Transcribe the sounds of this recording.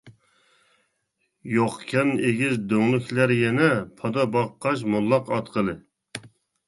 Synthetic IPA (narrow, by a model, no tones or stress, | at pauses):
joqkʲʰɛneɡʲizd̪øŋlˠykʲʰlæɾjɛnɛpʰɑd̪ɑbɑqːɑʃ̬mulˠːɑqɑt̪qʰəlˠɨ